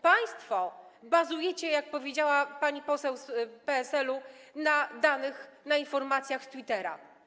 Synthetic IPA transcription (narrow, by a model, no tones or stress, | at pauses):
paj̃st̪fɔ | bazujɛt͡ɕɛjak̚pɔvʲjed͡ʑawapaɲipɔsɛwspɛːsɛlunad̪anɘxnainfɔɾmat̪sʲjaxst̪wit̪ɛɾa̰